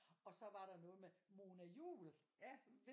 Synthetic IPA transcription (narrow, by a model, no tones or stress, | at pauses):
ɒ̽sɒ̽ʋɑ̈ɾ̥ɑ̈nɔ̽ːð̩ˠmemoːnæjṵːljæf